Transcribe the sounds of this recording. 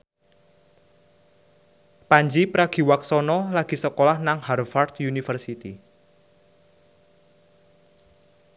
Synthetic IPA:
paɲd͡ʒipɾaɡ̥i̤waksɔnɔlaɡ̥i̤səkolahnaŋharfart̪junifərsit̪ḭ

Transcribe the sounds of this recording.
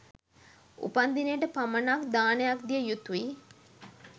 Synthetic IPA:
ṵpand̪inejəʈəpamənakd̪aːnəjakd̪ijəjut̪uʋi

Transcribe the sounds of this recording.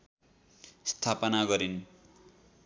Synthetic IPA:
st̪ʰapʌnaɡʌɾin

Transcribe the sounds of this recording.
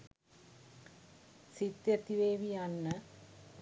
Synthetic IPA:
sit̪jɐt̪iʋeːʋijanːɐ

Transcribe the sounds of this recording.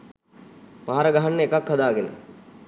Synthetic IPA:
maːaɾəɡaɦanːəekakhad̪aːɡenə̰

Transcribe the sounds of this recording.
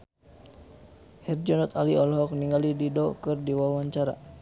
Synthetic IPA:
hɛrd͡ʒɔnɔt̪aliɔlɦɔk̚niŋɡalididɔkɨrdiwawaɲt͡ʃaɾa̰

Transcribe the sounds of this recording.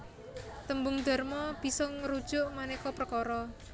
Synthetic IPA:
t̪əmbʊŋd̪a̤rmɔb̥i̤sɔŋɾud̥ʒ̥ʊ̤ʔmanekɔpɾəkɔɾɔ

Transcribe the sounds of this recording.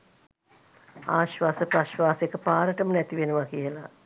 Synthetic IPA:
a̰ːʃʋaːsəpaʃʋaːsekəpaːɾəʈəmənɛt̪iʋenəʋakijəla̰

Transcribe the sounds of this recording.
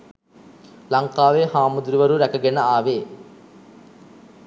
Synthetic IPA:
lɐŋkaːʋeːɦaːmud̪ɾiʋɐɾuɾɐkɐɡɛnɐaːʋeː

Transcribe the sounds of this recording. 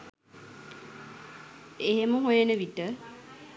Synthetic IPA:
eɦeməɦujenəʋiʈə

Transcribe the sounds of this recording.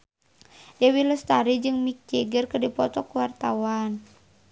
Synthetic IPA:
dɛwilɔst̪aɾid͡ʒɨŋmik̚t͡ʃɛɡərkɨdipɔt̪ɔkuwart̪awan

